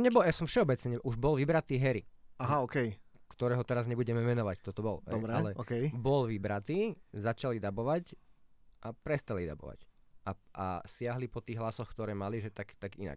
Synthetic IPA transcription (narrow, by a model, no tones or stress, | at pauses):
ɔɲɛbɔljasɔmfʃɛɔbɛt͡sɲɛɲɛʔuʒbɔlʋibɾat̪iːɦɛɾiaɦaɔːkɛj | kt̪ɔɾɛːɦɔt̪ɛɾazɲɛbuɟɛmɛʋɛnɔʋact̪ɔt̪ɔbɔlɦɛɔɾɛalɛɔkɛjbɔlʋibɾat̪iːzat͡ʃalid̪abɔʋac | ʔapɾɛst̪alid̪a̰bɔ̰ʋa̰cʔaʔa̰sɪaɦlipɔt̪iːɣɦlasɔxkt̪ɔɾɛːmaliʒɛt̪akt̪aɡḭna̰k